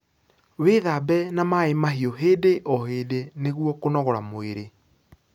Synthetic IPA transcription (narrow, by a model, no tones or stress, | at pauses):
weðabɛnamaemaɦiɔɦeːdeʔɔɦeːdeneɣwɔkonɔɣɔɾamoeɾe